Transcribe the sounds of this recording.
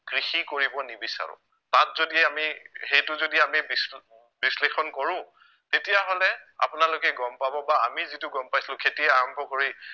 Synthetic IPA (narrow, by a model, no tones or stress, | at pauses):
kɹixikoɹibɔnibisa̰ɹʊ̰̃ | tat̚zodiɛamihejtʊzodiamibis | bislexɔnkɔɹʊ̃ | tetijaɦolɛa̰pʊnalokɛɡɔmpabɔbaamizitʊɡɔmpajsilʊ̃kʰetiɛaɹɔmbʱɔkoɹi